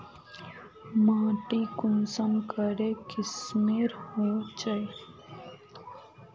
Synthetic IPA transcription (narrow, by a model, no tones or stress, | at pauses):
mãːʈikʊmsənkəɾekɪsmeːɾhot͡ʃəj